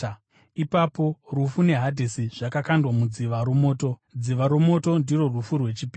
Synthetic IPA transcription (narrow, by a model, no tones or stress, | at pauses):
ipapo̞rufune̞ɦadʱisiʐ̥akakandwamud͡ziʋaɾumo̞ːto̞d͡ziʋaɾomo̞to̞ndiro̞rufurwe̞t͡ʃipiː